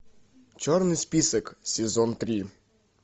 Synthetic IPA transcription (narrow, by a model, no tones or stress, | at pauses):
t͡ʃɔrnɪsʲpʲiseksʲezɔnt̪ɾʲi